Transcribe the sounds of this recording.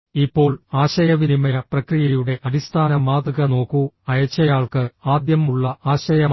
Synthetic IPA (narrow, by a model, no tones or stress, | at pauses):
ipːo̞ːɭaːɕɐjɐʋinimɐjɐprɐkrijɐjuɽe̞ʔɐɽist̪ʰaːnɐmaːd̪ɨɣɐno̞ːkːuɐjɐt͡ɕːɐjaːɭkɨaːd̪jɐmuɭːɐaːɕɐjɐm